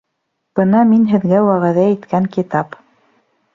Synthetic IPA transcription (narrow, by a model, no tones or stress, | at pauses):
b̥ɤnɑminɦɘ̆ðɡæwæʁæðæit̪kæŋkit̪ɑp